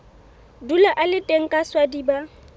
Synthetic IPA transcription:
dulaʔalɪtʼeŋ̩kʼaswadiba

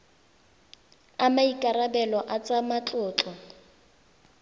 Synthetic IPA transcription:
amaikʼarabɛlɔʔat͡sʼamat͡ɬʼʊːt͡ɬʼɔ

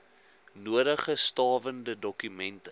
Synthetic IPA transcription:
nuəɾəχəstɑːvəndədɔkymɛntə

